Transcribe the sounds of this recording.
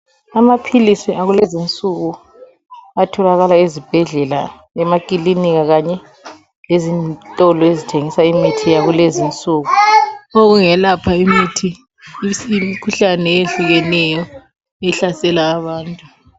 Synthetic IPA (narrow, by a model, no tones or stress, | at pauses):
amapʰilisiaɣulezint͡sʼuɣu | atʰɔlaɣalaezib̥ʱɛɮɛla̰ | ɛmakʼiliniɣaɣaɲɛ | lezintʼɔlɔezitʰeŋisaimitʰijaɣulezint͡sʼuːɣuoɣuŋɛlapʰaimitʰi | mikʰuɬanɛeɬuɣɛnɛjɔ | ɛɬasɛlaːβaːntʼu